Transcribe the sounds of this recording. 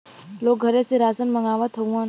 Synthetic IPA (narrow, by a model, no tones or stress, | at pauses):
lok̚ɡʱəɾeseɾasənməŋaʋat̪ʰəũa